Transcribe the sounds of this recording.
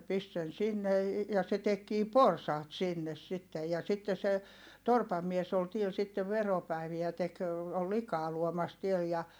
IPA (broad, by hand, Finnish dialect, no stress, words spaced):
pist sen sinːe jɑ se tekːiː porsɑːt sinːes sitːej jɑ sitːe se torpɑm mies ol tiel sitːeʋ ʋeropæiʋiæ tek ol likɑː luomɑs tiel jɑ